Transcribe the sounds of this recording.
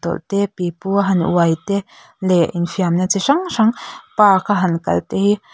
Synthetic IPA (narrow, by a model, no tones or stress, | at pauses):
t̪ɔ̰lt̪ɛpipuɦɐnʔṵɐjt̪ɛ | lɛʔinfiamnat͡siʂɐŋʂɐŋpaːkʰaɦɐnkɐ̰lt̪ehi